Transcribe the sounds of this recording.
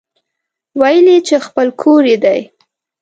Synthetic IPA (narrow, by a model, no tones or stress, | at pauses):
wajəlit͡ʃexpəlkʰoɾed̪aj